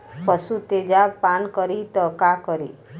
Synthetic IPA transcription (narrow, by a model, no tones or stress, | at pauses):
pəsut̪ed͡ʒapankəɾit̪əkakəɾḭ